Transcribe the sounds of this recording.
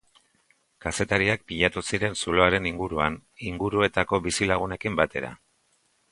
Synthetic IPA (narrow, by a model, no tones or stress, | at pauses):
kase̞t̪aɾiak̚piʎat̪usiɾe̞nsulo̞aɾe̞niŋɡuɾuaniŋɡuɾue̞t̪ako̞βisilaɣ̞une̞kimbat̪e̞ɾa̰